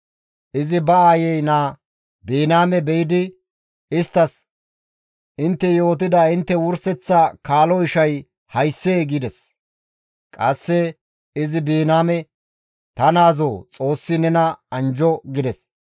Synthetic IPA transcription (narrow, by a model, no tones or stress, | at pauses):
ʔɪzɪbɐaːjɛjnaː | biːnaːmɛbɛjɪd̪ɪ | ɪst̪ːɐs | ʔɪnt̪ːɛjo̞ːt̪̬ɪd̪ɐɪnt̪ːɛwʊɾsɛt͡sːɐkaːlɔɪʃɐj | hɐjsːeːɡɪd̪ɛs | kʼɐsːɛ | ɪzɪbiːnaːmɛ | t̪ɐnaːzo̞ːt͡sʼo̞ːsːɪnɛnɐɐnd͡ʒɔɡɪd̪ɛs